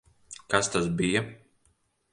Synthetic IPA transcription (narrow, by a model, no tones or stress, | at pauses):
kast̪asbija